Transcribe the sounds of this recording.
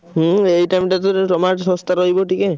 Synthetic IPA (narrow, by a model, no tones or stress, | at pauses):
ɦejʈajmʈat̪ɔt̪ɔmaɾsɔ̃st̪aɾoɦiboʈike